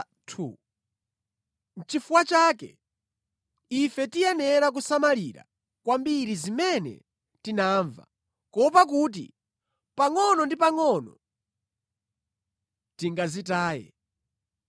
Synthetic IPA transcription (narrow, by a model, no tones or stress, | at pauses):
tʰṵ | n̩t͡ʃifuwat͡ʃaːkɛ̰ | ifɛtijɛnɛɾak̬usamaliɾa̰ | kwambiɾizimɛnɛ̰ | tinaːɱva̰ | kɔpak̬uːt̬ḭ | paŋɔnɔndipaŋɔnɔ̰ | tiŋɡazitaːjɛ̰